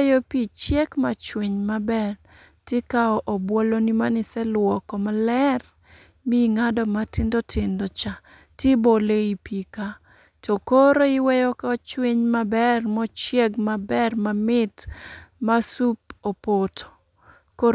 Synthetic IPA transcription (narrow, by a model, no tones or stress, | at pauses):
jopit͡ʃjɛkmat͡ʃweɲmabɛr | tɪkaɔʔɔbwɔlonimanɪsɛlwɔkɔmalɛr | miŋadɔmatɪndotʰɪndɔt͡ʃa | tiboleipika | tokoɾoiwɛjɔkɔt͡ʃweɲmabɛrmɔt͡ʃjɛɡmabɛrmamɪtmasup̚opotʰo̥ | ko